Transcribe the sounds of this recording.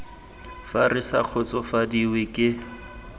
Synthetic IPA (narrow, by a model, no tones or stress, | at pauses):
farɪsak͡xʰʊt͡sɔfadiwɪkʼɪ